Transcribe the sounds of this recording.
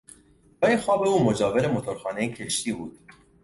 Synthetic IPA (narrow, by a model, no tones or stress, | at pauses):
bɒinxɒːbe̞uːmod͡ʒɒːveɾemot̪ʰoɾxɒːnejecʰeʃt̪iːbṵːd̪̥